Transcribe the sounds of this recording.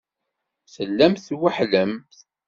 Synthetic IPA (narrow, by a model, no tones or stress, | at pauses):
səlːæmθwaħləmθ